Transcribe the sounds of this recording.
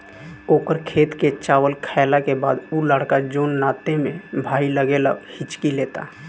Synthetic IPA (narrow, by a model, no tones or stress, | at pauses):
oːkəɾkʰeːt̪ket͡ʃaːwəlkʰaɪlakeba̰ːd̪uləɽkad͡ʒoːnːaːt̪emẽbʱaːiləɡelə̰ɡhɪt͡ʃkileːt̪a̰